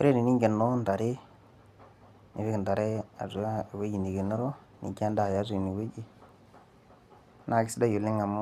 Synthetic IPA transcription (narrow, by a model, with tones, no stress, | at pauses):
o˦ɾe˦ɾi˨ni˦ŋɡe˨nːo˦nda˨ɾe˦ | ni˨fi˦knda˨ɾe˦a̰˨zu˨a˦˨we˦d͡ʒi˨ni˨ɡe˨no˦ɾo˦ | nḭ˨ki˦a˦nda˨ja˦zu˨ni˨we˦d͡ʒi˦ | nʔa˨ki˦si˦da˦ju˨li˦ŋa˨mo˦